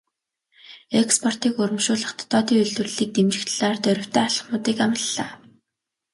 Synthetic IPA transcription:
ekspʰɔr̥t̪iːkɵɾɵ̆mʃʊːɮə̆χt̪ʰɔ̥t̪ːɔːt̪iːŋɵɮt̪wɵ̆rɮiːk̚t̪emt͡ɕɪ̆xt̪ɮaːrt̪œɾʲɪ̆wt̪ʰæːaɮə̆χmʊːt̪iːkamə̆ɮːaː

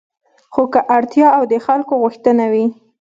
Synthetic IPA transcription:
xokəʔaɽt̪jɑawd̪əxalkoɣuxt̪ənawi

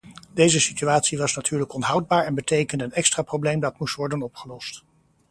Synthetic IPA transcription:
dejzəsityaːtsiʋɑsnatʰyːɹləkɔnɦʌwd̚baːɹɛnbətejkəndəənɛkstraːprowblejmdɑtmustʋɔɹdənɔpχəlɔst

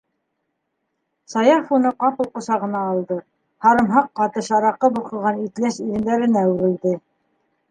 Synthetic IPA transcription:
sɑjɑfunɤqɑpɤ̆lˠqŏsɑʁɤ̆nɑːlˠd̪ɤ | hɑɾɤ̆mɦɑqːɑt̪ɤʃɑɾɑqːɤbuqɤ̆ɾʁɑnit̪læʃiɾɘ̆nd̪æɾɘ̆næʉɾɘ̆ld̪ɘ

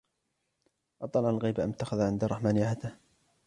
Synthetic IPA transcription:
ʔɑt̪ˤːɑlʕalɣijbaʔa̰mt̪ːaxaðaʕɪnd̪ɑrˤːɑħmaːnjʕat̪ɪh

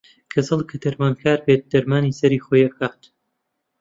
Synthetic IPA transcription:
kʰɐzɨlˠkʰɐd̪ɐɾmaːnkʰaːɾbeːt̪̚d̪ɐɾmaːniːsɐɾixojɐkʰaːt̪

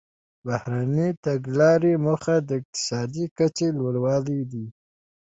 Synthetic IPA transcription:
bahɾanit̪aɡlɑɾemuxad̪əɪq̚t̪ɪ̥sɑd̪ikat͡ʃelwəɽwɑlid̪i

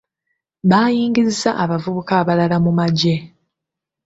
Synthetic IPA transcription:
βaːjiːŋɡizizaʔaβavuβukaːβalalamumaɟe̞

